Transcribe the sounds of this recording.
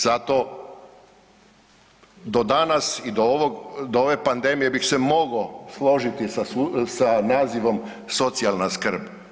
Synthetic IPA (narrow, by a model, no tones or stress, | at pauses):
z̥at̪o̞ | d̪o̞d̪anasid̪oʋoɡd̪ooʋe̞pand̪e̞mije̞bixse̞mo̞ɡoslˠo̞ʒit̪isassanaːziʋo̞m | so̞t̪sialˠnaskr̩b